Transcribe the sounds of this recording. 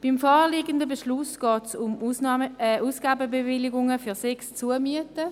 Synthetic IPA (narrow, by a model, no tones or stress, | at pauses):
b̥imfɔːliːɡəndəbeʃlʊsɡ̥ɔːtsʊm | uːsɡ̥aːbəbevɪlɪɡʊŋəfyːsɛkst͡suəmyətə